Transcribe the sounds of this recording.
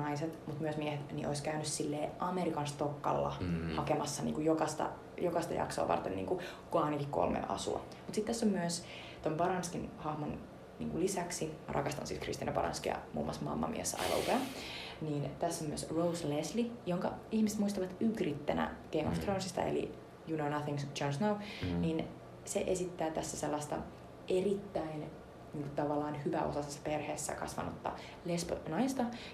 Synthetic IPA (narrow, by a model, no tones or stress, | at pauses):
ɑiset̪mut̪myøsmiehet̪niʔoiskæynyssilːeːʔɑmeɾikɑnst̪okːɑlːɑ̰hɑkemɑsːɑnḭːŋkujokɑst̪ɑ̰ | jokɑst̪ɑ̰jɑ̰ksoɑːʋɑ̰rt̪enːḭːŋku | ɡ̥ɑːnikiko̰lmḛnʔɑ̰sṵɑ̰ | mut̪sit̪t̪æsːomːyøs | t̪ompɑɾɑnskinhɑhmon | nḭːŋkulisæksimɑ̰ɾʔɑkɑst̪ɑ̰nsiːt̪krḭst̪inømpɑɾɑ̰nskijɑ̰mṵːmːɑsmɑ̰mːɑ̰mḭesːɑ̰jlo̰ukæniːnt̪æsːæmyəsrowsleslijoŋkɑihmiset̪muist̪ɑʋɑt̪ykrit̪ːenæ̰ɡ̥eimo̰ft̪ronsist̪ɑ̰ḛlḭ | junonɑθiŋsd͡ʒonsnɑwniːn | seʔesit̪ːæːt̪æsːæselːɑst̪ɑ̰ | ʔerit̪ːæin | niːŋku̥t̪ɑʋɑlːɑːnhyʋæ̰ʔo̞̰sɑsesːɑ̥perheːsːæ̰kɑ̰sʋɑ̰not̪ːɑ̰ | lesponɑist̪ɑ